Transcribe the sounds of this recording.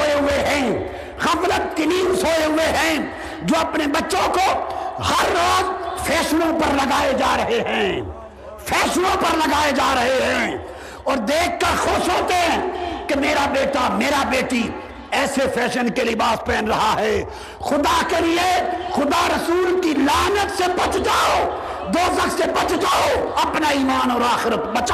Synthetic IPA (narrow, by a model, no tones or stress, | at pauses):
oeɦʊeɦɛ̃ː | xɐflət̪̚kɪliːmsoːeɦʊeɦɛ̃ː | d͡ʒoːɐpnebɐtːʃõkohɐɾːoːzfʰɛːʃənõpɐɾlɐɡaːed͡ʒaːɾɐɦeɦɛ̃ː | fʰɛːʃnõpɐɾlɐɡaːed͡ʒaːɾɐɦeɦɛ̃ː | ɔːɾd̪eːk̚ʰːɐɾxoʃɦoːt̪eɦɛ̃ːkemeːɾabeːʈameːɾabeːʈi | ɛːsepʰɛːʃənkelɪbaːspɛːnɾɐɦaɦɛː | xʊd̪akeliexʊd̪aɾɐsuːlkilaːnət̪sebɐt͡ʃd͡ʒaːo | d̪oːzəksebɐt͡ʃd͡ʒaːoɐpnaiːmaːnɔːɾaːxɪɾət̪bɐt͡ʃː